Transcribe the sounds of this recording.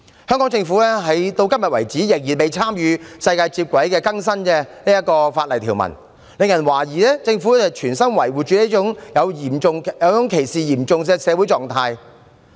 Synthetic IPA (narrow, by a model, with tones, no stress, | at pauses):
hœ˥ŋkɔ˨˥ŋt͡sɪ˧ŋfu˨˥lɛː˥ɦɐ˨jt̪o˧wkɐ˥mjɐ˨t̚wɐ˨˩jt͡siː˨˥jɪ˨k̚jiː˨˩pe˨jt͡sʰaː˥mjyː˨˧sɐ˧jkaː˧jt͡siː˧p̚kʷɐ˨˥jkɛː˧kɐ˥ŋs̬ɐ˥nkɛ˧niː˥jɐ˥t̚kɔː˧faː˧t̚lɐ˨˩jt̪ʰiː˨˩wmɐ̰˨˩n | lɪ˨ŋjɐ˨˩nwaː˨˩jiː˨lɛː˥t͡sɪ˧ŋfuː˨˥hɐ˨jt͡ʃʰyː˨˩nsɐ˥nwɐ˨˩jwuː˨˩t͡ʃyː˨˧ni˥t͡ʃʊ˨˥ŋjɐ˨˧wjiː˨˩mʊ˨˧ŋjɐ˨˧wt͡sʊ˨˥ŋkʰe˨˩jsiː˨jiː˨˩mt͡sʊ˨ŋkɛː˧sɛː˨˧wu˨˥jt͡sɔː˨ŋt̪ʰaː˧j